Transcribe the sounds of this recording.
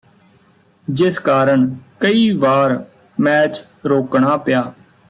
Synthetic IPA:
d͡ʒɪskaːɾəɳkəiːʋaːɾ | mɛːt͡ʃ | ɾoːkɳaːpɪjaː

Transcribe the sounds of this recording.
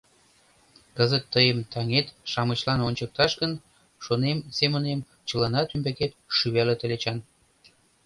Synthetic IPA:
kəzət̪ːəjəmt̪ɑŋet̪ʃɑmət͡ɕlɑnonʲt͡ɕək̚t̪ɑʃɣən | ʃonemsemə̆nem | t͡ɕəlɑnɑt̪ymbeket̪ʃyβælet̪əlet͡ɕɑn

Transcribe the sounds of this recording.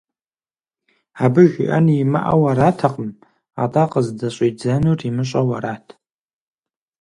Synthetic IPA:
abɨʒɪʔɐ̰njima̰ʔa̰wɐraːtʰɐqʼəm | a̰ːtʼaqəzdɐɕʼiːd͡zɐnurimɨɕʼɐwɐɾaːtʰ

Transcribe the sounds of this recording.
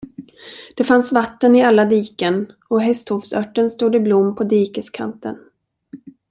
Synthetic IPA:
d̪̥ɛfansvat̪ːənɪalːad̪iːkən | ɔɦɛst̪huvsœʈːənst̪uːd̪ɪblʊmːpʰɔd̪iːkəskʰa̰nt̪ə̰n

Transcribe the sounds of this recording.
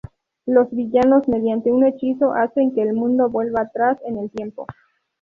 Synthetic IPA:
lo̞zβiʝano̞zme̞ðjant̪e̞une̞t͡ʃiso̞ʔase̞ŋke̞ːlmũnd̪o̞βwe̞lβaːt̪ɾase̞ne̞lt̪je̞mpo̞̰

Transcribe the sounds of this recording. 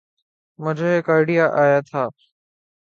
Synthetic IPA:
mə̃d͡ʑoːɦekəɾɽijaʔaːjat̪ʰaː

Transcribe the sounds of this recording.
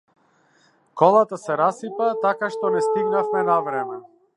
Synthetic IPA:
kɔlˠat̪asɛɾasipat̪akaʃt̪ɔnɛst̪iɡnafmɛnavɾɛmɛ

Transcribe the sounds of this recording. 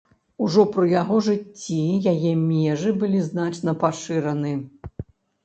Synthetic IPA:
uʐɔpɾɨjaɣɔʐɨt͡sʲːijajɛmʲɛʐɨbɨlʲiznat͡ʂn̪ɐpaʂɨɾɐnɨ

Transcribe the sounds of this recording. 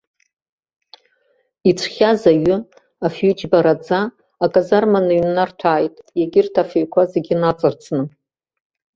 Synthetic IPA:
it͡sʷʰχʲazaɥʏ | afjʏd͡ʒbaɾad͡zaː | kʼazarmanɨɥnartʰaːjtʼjaɡʲɪrtʰafeɥkʷʰazeɡʲɪnat͡sʼɨrt͡sʰnɨ

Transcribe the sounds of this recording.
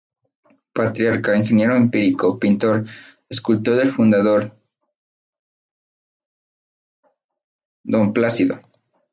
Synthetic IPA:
pat̪ɾjaɾkainxe̞nje̞ɾoempiɾikopint̪o̞ɾ | eskult̪oðelfund̪aðo̞ɾ | d̪o̞mplasiðo̰

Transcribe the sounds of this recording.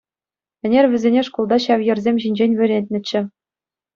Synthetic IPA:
ɘ̆nʲerʲʋʲɘ̆zʲenʲeʂkulˠd̪ɑɕɑʋjɤ̆rzʲemʲʑinʲd͡ʑenʲʋʲɘ̆ɾʲetʲnʲɘ̆t͡ɕːɘ̆

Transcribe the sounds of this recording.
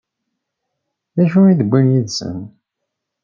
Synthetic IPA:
ðæʃuiðəbʷːinjiðsə̰n

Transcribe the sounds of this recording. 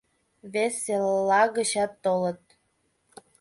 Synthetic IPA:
βesːellɑɣə̆ɕɑt̪ːolə̆t̪̚

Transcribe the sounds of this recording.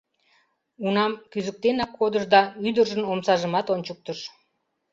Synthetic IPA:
unɑmkyzək̚t̪enɑkːod̪əʃd̪ɑyd̪ərʒənomsɑʒəmɑt̪onʲt͡ɕək̚t̪əʃ

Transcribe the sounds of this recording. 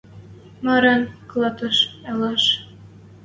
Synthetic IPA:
mɑɾɑnklˠɑt̪ɤ̆ʃɑlɑʃ

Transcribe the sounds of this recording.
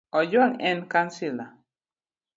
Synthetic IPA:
ɔd͡ʒwaŋɛnkansila

